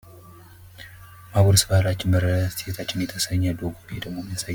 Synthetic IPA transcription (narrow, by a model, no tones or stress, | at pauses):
maboɾsɨbalat͡ʃːɪnməɾəset̪ʰat͡ʃːɪnjɛt̪ʰəsəɲːəd̪oɡobed̪əɡmo̞mːiasajː